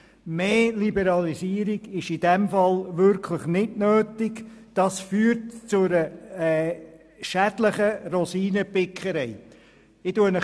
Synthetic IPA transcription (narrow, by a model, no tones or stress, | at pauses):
meːlibəɾɑlisiːəɾɪɡɪʃɪd̥ɛmfɑlʋʏɾkʰləχnɪdnøːtɪkd̥ɑsfyːəɾtt͡sʊɾəɛ | ʃædləχərɔsiːnəpɪkχəɾɛɪ | ɪtuənə